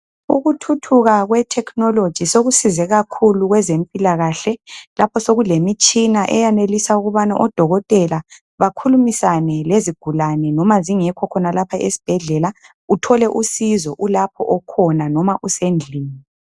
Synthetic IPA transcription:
ṵɣutʰutʰuɣaɣwɛtʰɛkʰnɔlod̥ʒ̥ʱisoɣusizɛɣakʰuluɣwɛzempʼilaɣaɬɛlapʰɔsoɣulemit͡ʃʼinaʔɛjanelisauɣuβana̰ʔɔd̥ʱɔɣɔtʼɛla | βakʰulumisanɛleziɡ̥ʱulanɛnɔmaziŋɛkʰɔkʰɔnalapʰaʔesi̥b̥ʱɛɮɛla | utʰɔlɛʔusizɔʔulapʰɔʔɔkʰɔnanɔmaʔusend͡ɮʱiːŋɛ

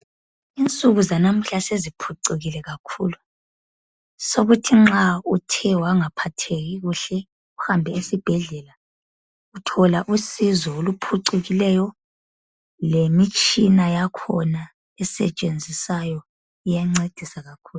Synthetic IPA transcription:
int͡sʼuɣuzanam̩ɬasezipʰuǀiɣilɛɣakʰuːlu | soɣutʰiŋ͡ǁautʰɛwaŋapʰatʰeɣiɣuɬɛ | uhambʱɛesib̥ʱɛɮɛla | utʰɔlaʔusizɔolupʰuǀuɣilɛjɔ | lemit͡ʃʼinajakʰɔna | ɛsɛ̰t͡ʃʼend͡zʱisajɔ | ijaŋ͡ǀed̥ʱisaɣakʰuːlu

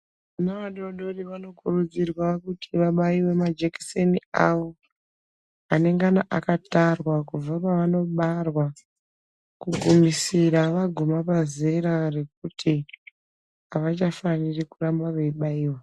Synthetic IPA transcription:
anaʋaɗoɗo̞riʋano̞kurud͡zirwakutʰiʋaɓaiwe̞mad͡ʒeki̥seniawo̞ | ane̞ŋɡanaʔakatarwakuvapaʋano̞ɓarwa | kuɡʱumisiraʋaɡʱumapazeɾare̞k̚utʰi | aʋat͡ʃafanirikurambaʋeiɓaiːwa

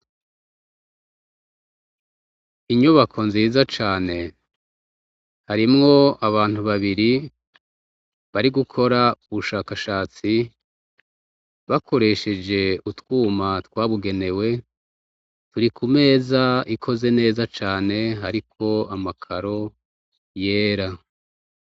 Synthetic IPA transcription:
iɲuβakʰo̞nziːzat͡ʃaːne̞ | haɾimŋo̞aβaːn̥huβaβiɾi | βaɾiɡukʰo̞ɾauβuʃaːkaʃaːt͡si | βakʰo̞ɾe̞ʃe̞d͡ʒe̞utwuːmatwaːβuɡe̞ne̞we̞ | tuɾikʰume̞ːzaikʰo̞ze̞ne̞ːzat͡ʃaːne̞ɦaɾikʰo̞amakʰaɾo̞ | je̞ːɾa

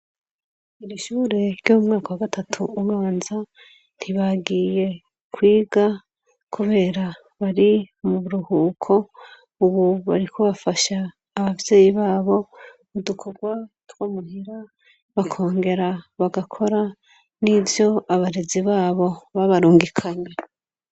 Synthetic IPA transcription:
iɾiʃuːɾe̞ɾjoumŋaːkawaɡatʰatʰuːwaːnza | n̥tʰiβaɡije̞ | kwiːɡa | kʰuβe̞ːɾa | βaɾimuβuɾuhuːkʰo̞ | uβuβaɾikʰoβafaʃaː | βavje̞ːjiβaːβo̞ | mudukʰo̞ɡwa | twomuhiɾa | βakʰo̞ːŋɡe̞ɾaβaɡakʰo̞ɾa | nivjo̞aβaɾe̞ziβaːβo̞βaβaɾuːŋɡikʰaɲe

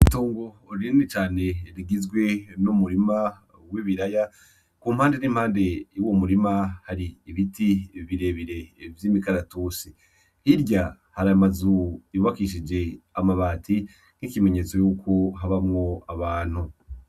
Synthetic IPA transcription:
itoːŋɡoːɾinit͡ʃaːne̞ɾiɡizɡwe̞numuɾima | wiβiɾaja | kuːm̥haːndeniːmhaːnde̞womuɾimahaɾiːβitiβiɾe̞βiɾe̞vjiːmikaɾatoːsi | hiɾɟa | haɾamazuuβakiʃid͡ʒe̞amaβaːti | n̥ikime̞ɲe̞t͡so̞juːkʰo̞ɦaβamŋo̞aβaːn̥hu

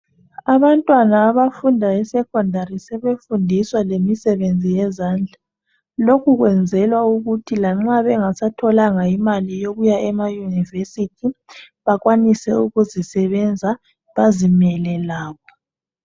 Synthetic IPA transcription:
aβantʼwanaːβafundʱaɛsɛkʰɔndʱarisɛβefundʱiswalemisɛβend͡zʱijɛzaːnd͡ɮʱa | lokʰuɣwɛnd͡zʱɛlwauɣutʰilaŋ͡ǁaβɛŋasatʰɔlaŋaimalijoɣujaʔɛmajunivesitʰi | βaɣwanisɛuɣuzisɛβɛnd͡zʱa | βazimɛlɛlaːɣɔ

